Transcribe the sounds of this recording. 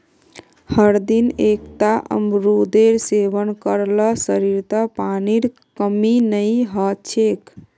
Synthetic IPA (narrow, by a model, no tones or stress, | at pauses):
həɾd̪inekt̪aʔə̰mɾud̪eɾseʋənkəɾləsəɾiɾt̪əpaniɾ | kəminəjɦət͡ʃʰek